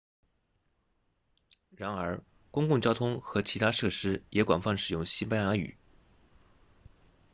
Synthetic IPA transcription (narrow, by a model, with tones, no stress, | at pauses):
ɻa˧˥nə˞˧˥ | kʊ˥ŋkʊ˥˩ŋt͡ɕjɑ˥ʊt̪ʰʊ˥ŋxɤ˧˥t͡ɕʰi˧˥t̪ʰa˥ʂɤ˥˩ʂɻ̩˥jɛ˧˥kwa̰˨˩nfɑ˥˩nʂɻ̩˨˩jʊ˥˩ŋɕi˥pa˥nja˧˥y̰˨˩˦